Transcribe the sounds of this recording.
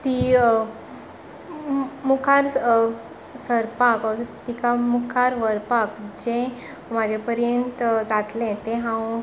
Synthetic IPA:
t̪i | mukʰaɾ | səɾpakət̪ikamukʰaɾʋəɾpakd͡ʑẽ | mad͡ʑʱepəɾjənt̪d͡zat̪lɛ̃t̪ẽɦãw

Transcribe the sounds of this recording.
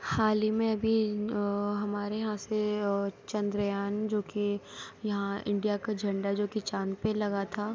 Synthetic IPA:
haːlimẽɐbʱi | ɦɐmaːɾejɐɦãset͡ʃɐ̃nd̪ɾəjaːnd͡ʒoːkejɐɦãɪ̰̃ɳɖijakad͡ʒʱɐ̃ɳɖad͡ʒoːkit͡ʃaːnpẽlɐɡat̪ʰaː

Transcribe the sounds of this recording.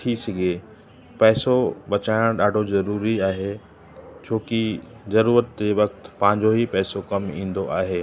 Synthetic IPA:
ʈʰisɐɡʱeː | pɛːsoɓɐt͡ɕaːɪɽ̃ɗaːɖʱozɐɾuːɾiaːɦe | t͡ɕʰoːkizɐɾuːɾət̪d͡ʑeːʋɐkt̪pɐ̃ɦɪ̃ɲd͡ʑoɦipɛːsokɐmĩːn̆d̪oʔaːɦeː

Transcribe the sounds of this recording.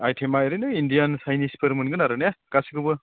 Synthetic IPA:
ajtʰemaeɾɯnɯindijansajnispʰɯɾmɯnɡɯnaɾɯnejakasiɡɯbɯ

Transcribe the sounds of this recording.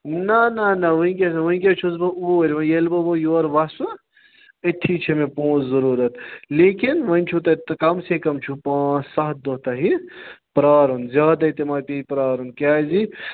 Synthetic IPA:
nɐnɐnɐʋɐĩk̬ʲesɐʋɐĩkʲet͡ʃʰuzbɐuɾʲʋɐjelbɐbojoːɾʋɐsu | ɐʈ̪ʰːiːt͡ʃʰemẽpõːt͡szɐɾuːɾɐt̪leːkinʋɐinʲt͡ʃʰut̪ɐt̪kɐmsekɐmt͡ʃʰupãːsɐɦt̪̚d̪oɦt̪ɐɦipɾaːɾɦunzʲjaːd̪ɐit̪emaːpeipɾaːɾɦunkaːzi

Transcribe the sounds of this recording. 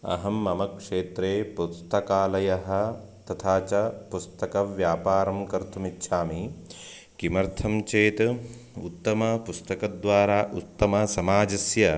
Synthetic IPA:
ɐ̰ɦɐmːɐmɐkʂeːt̪ɾeːpust̪ɐkaːlɐjɐɦɐ̆ | t̪ɐt̪ʰaːt͡ʃɐpust̪ɐkɐʋjaːpaːɾɐmkɐɾt̪ʰumitːʃʰaːmi | kimɐɾt̪ʰɐmt͡ʃeːt̪ut̪ːɐmɐpust̪ɐkɐd̪ʋaːɾaːʔut̪ːɐmɐsɐmaːd͡ʒɐsjɐ

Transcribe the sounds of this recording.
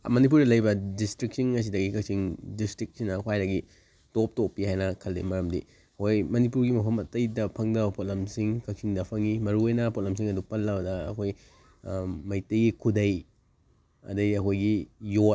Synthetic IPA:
mɐnip̬uɾdɐlɐjbɐdistɾik̚siŋɐs̬idɐɡikɐk̚siŋdistɾik̚sinɐkʰwajdɐɡi | top̚topːihajnɐkʰɐlːḭmɐɾɐmdḭ | kojmɐnipuɾɡimɐpʰɐmɐtɐjdɐpʰɐŋdɐwpot̚lɐmsiŋkɐk̚sʰiŋdɐpʰɐŋimɐɾuojnɐpot̚lɐms̬iŋɐdupɐlːɐwdɐɐ̰kʰoj | mɐjtɐjɡikʰudɐj | ɐ̰dɐiɐkʰojɡijo

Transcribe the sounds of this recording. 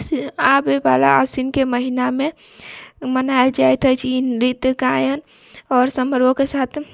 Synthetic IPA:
abeba̰la̰asinkeməɦiname | mənaeld͡ʒajt̪ɦəjt͡ʃʰinɾit̪kajən | ɔːɾsəməɾbokesaːt̪ʰ

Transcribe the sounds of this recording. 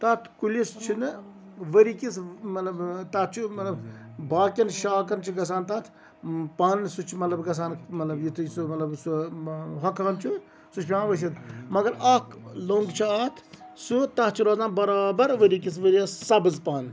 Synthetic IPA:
t̪ɐt̪ʰkulist͡ʃʰinɨ | ʋəɾikʲismɐt̪lɐbt̪ɐt͡ʃʰumɐt̪lɐbbaːkʲɐnʃaːkɐnt͡ʃʰiɡɐs̬aːnt̪ɐt̪ʰ | paːnsut͡ʃʰmɐt̪lɐbɡɐs̬aːnmɐt̪lɐbjit̪ʰɨjsumɐt̪lɐbsuɦɐkːɐnt͡ʃʰu | sut͡ʃʰpʲãːʋəʃ̬it̪mɐɡɐɾɐkloːŋɡt͡ʃʰaːt̪ʰsut̪ɐt͡ʃʰiɾoːzaːnbɐɾaːbɐɾʋəɾik̬is̬ʋəɾiassɐbɨzpaːn

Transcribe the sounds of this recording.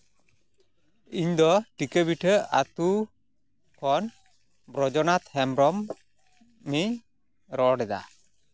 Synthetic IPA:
iɲd̪ɔʈikəbiʈʰəat̪u | kʰɔn | bɾɔd͡ʒɔnat̪hɛmbɾɔmː | iɲ | ɾɔɽɛd̪a̰

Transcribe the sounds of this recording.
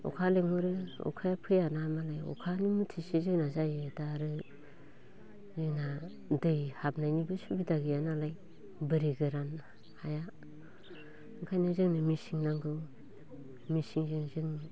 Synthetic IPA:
ɔ̰kʰaleŋɔɾɯɔ̰kʰajapʰɯjanamalajɔ̰kʰanimutʰisizɯŋnazajɯdaɾɯ | zɯna | dɯjhap̚najnibɯsubidaɡijanalaj | bɯɾiɡɯɾan | haja | ɯkʰajnɯzɯŋnɯmisiŋnaŋɡɯw | misiŋzɯŋzɯŋni

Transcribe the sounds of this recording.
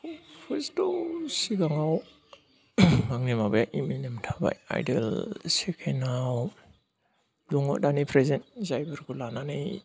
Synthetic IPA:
pʰestosiɡaŋaw | maŋnimabajaʔiminemtʰaba̰ja̰jdelsekʰenaw | luŋo̰danipʰɾezentzajbaɾɡulananaj

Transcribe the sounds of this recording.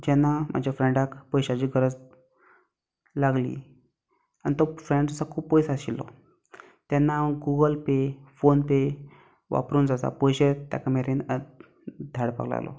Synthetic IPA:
d͡ʑɛnːam̤ad͡ʑʱjafɾẽɳɖakpɔjɕat͡ɕiːɡʱəɾəd͡z | laɡlḭː | anit̪ofɾẽɳɖd͡zəsakʰuːbpːɔjsaɕilːɔ̰ | t̪janːaɡuɡəlpefonpe | ʋa̰pɾuːnd͡zasa̰pɔjɕet̪a̰kameɾinə | d̪ʱaɽpa̰ɡla̰lɔ̰

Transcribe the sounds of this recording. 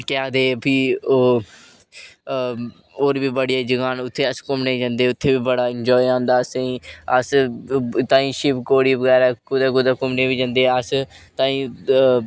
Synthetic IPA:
kɛãːd̪eːpʰiːoː | oːɾbiːbəɽijaːd͡ʒəɡaːnʊt̪ʰːeːəskʊmneːd͡ʒãːnd̪eːʊt̪ʰːeːbiːbəɽaːɪnd͡ʒɔːiãːnd̪aːsẽːəs | t̪ãːĩːʃɪpkoːɽiːʋəɡɛːɾaːkʊd̪aːkʊd̪aːkʊmneːbiːd͡ʒãːnd̪eːəs | t̪ãːĩː

